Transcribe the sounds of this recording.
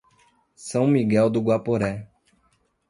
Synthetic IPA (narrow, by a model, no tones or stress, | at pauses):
sɐ̃w̃miɡɛwd̪ʊɡwapoɾɛ